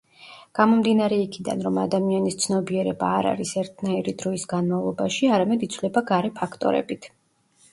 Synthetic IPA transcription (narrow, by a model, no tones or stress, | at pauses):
ɡ̥amɔmd̪inaɾɛikʰid̪a̰nɾɔmad̪amianist̪sʰnɔbiɛɾɛba̰ːɾa̰ɾisɛɾt̪ʰnaiɾid̪ɾɔisɡanmavlˠɔbaʃiaɾamɛd̪it̪sʰvlɛbaɡaɾɛpʰakʰt̪ʼɔ̰ɾɛ̰bit̪ʰ